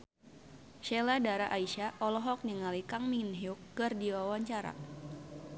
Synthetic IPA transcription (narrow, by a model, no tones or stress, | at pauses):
ʃeladaɾaʔaiʃaʔɔlɔɦɔk̚ɲəŋalikaŋminɦiukːɨrdiwawaɲt͡ʃaɾa̰